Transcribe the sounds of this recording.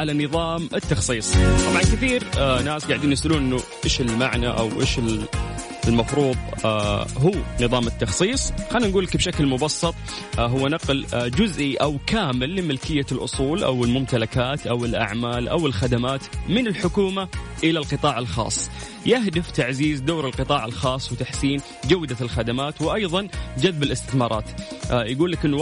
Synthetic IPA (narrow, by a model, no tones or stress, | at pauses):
ʕalanɨðˤɑːmɪt̪ːɑxsˤiːsˤt̪ˤɑbʕɑnkɪθiːɾnːaːsɡaʕd̪iːnjɪsʔaluːnʔɪnːʊʔɪːʃɪlmaʕnaʔa̰wʔḛːʃɪl | lmɑfɾuːðˤ | ɦuːnɨðˤɑːmɪt̪ːɑxsˤiːsˤxanːinɡuːlːakbʃaklmʊbɑsːɑt̪ˤ | ɦʊwːanɑqld͡ʒʊzʔiʔawkaːmɪlːɪmɪlkɪjːalʔʊ̰sˤuːlʔa̰wɪlmʊmt̪alakaːt̪ʔawɪlʔa̰ʕmaːlʔa̰wɪlxad̪amaːt̪mɪnɪlħʊkuːmaʔɪlalqɨt̪ˤɑːʕalxɑ̰ːsˤː | jɪɦd̪ɪft̪aʕziːzd̪oːɾɪlqɨt̪ˤɑːʕalxɑːsˤwɪt̪aħsiːn | d͡ʒawːd̪alxad̪amaːt̪wɪʔɑjðˤɑnd͡ʒaðbɪlʔɪst̪ɪθmɑːɾˤɑ̰ːt̪jɪɡuːlːakʔɪnː